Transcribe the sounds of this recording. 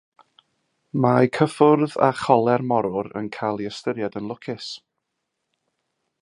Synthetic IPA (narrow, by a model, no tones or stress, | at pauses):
majkʰəfʊrða̰χɔlˠɛrmɔɾʊɾə̰nkʰajlˠiəstəɾjadənlˠʊkʰɪs